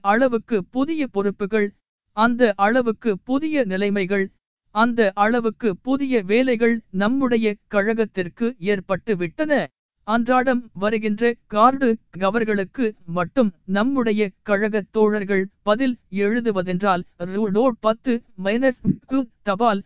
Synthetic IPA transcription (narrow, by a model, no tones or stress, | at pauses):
ɐɭɐʋɯkːɯpʊðɪjɐpɔɾɯpːɯɣɐɭ | ɐnd̪ɐʔɐɭɐʋɯkːɯpʊðɪjɐnɪlɐɪmɐɪɣɐɭ | ɐnd̪ɐʔɐɭɐʋɯkːɯpʊðɪjɐʋeːlɐɪɣɐɭnɐmːɯɽɐjɐkɐɻɐɣɐt̪ːɪrkɯeːɾpɐʈːɯʋɪʈːɐnɐ | ɐndraːɽɐmʋɐɾɯɣɪndrɐkaːɾɽɯɡɐʋɐɾɣɐɭɯkːɯmɐʈːɯmnɐmːɯɽɐjɐkɐɻɐɣɐt̪ːoːɻɐɾɣɐɭpɐðɪlɛɻɯðɯʋɐðɛndraːlɾunoːɽ̚pɐt̪ːɯmɐnɐskːɯt̪ɐbaːl